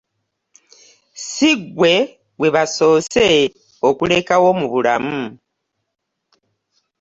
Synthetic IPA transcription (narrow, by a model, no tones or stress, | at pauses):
siɡwe̞ | we̞βaso̞ːse̞ | o̞kule̞kawo̞muβula̰mu